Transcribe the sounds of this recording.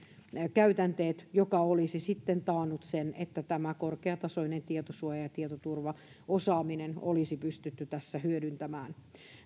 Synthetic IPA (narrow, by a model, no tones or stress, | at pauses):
kæyt̪ænt̪eːt̪jokɑolisisit̪ːent̪ɑːnːut̪senet̪ːæt̪æmækorkeɑt̪ɑsoinent̪iet̪osuɑjɑjɑt̪iet̪ot̪urʋɑ | osɑːminenolisipyst̪yt̪ːyt̪æsːæhyødynt̪æmæːn